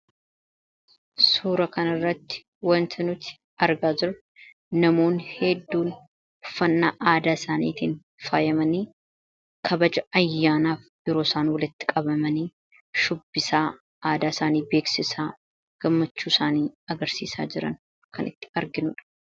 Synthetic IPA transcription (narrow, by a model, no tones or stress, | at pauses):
suːɾɐkɐnɐrːɐt̪ːɪ̥ | wɐnt̪ʰɪnʊt̪ɪ̥ | ɐɾɡaːd͡ʒɪɾɐ | nɐmo̞ːnhɛd̪ːuːn | ʊfɐnːaːʔaːd̪aːsaːnḭːt̪iːn | fa̰ːjɐmɐniː | kʰɐbɐd͡ʒɐɐjːaːnaːfbɪɾo̞ːsaːnwɐlɪt̪ːɪ̥kʼɐbɐmɐniː | ʃʊbːɪsaː | aːd̪aːsaːniːbe̞ːksɪsaː | ɡ̥ɐmːɐt͡ʃːuːsaːniːɐɡɐɾsḭːsa̰ːd͡ʒɪɾɐ̰n | kʰɐnʔɪ̰t̪ːɪ̥ɐɾɡɪnʊᶑɐ̥